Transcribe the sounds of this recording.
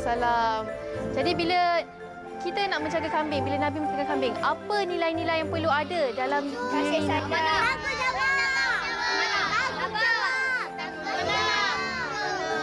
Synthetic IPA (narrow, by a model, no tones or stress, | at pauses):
salamd͡ʒadibilə | kit̪ənaʔmə̃ɲt͡ʃaɡakambɪŋbilanãbimə̃ɲt͡ʃaɡakambɪŋapənĩlajnĩlajaŋpərluadədalamd͡ʒaɾaiad͡ʒaapəd͡ʒawa | aaə | na